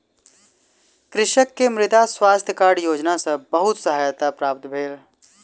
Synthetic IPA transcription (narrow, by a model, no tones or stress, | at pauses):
kɾɪʃəkːemɾɪt̪aswaːst̪ʰjəkaːɾɽjoːd͡ʒnasəbəɦʊt̪səɦaːjt̪apɾaːp̚t̪bʱeːl